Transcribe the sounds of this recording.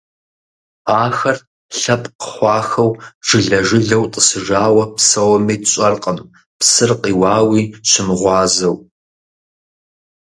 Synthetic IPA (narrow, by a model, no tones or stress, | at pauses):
aːxɐr | ɬɐpʼqə̥χʷɑːxɐwʒ̥ɨɮɐʒɪɮɐwtʼəsɨʒaːwɐpsɐwɐmiːɕʼɐrqʼəm | psɨrqʼiːwɑːwiːɕɪmʁʷɑːzɐw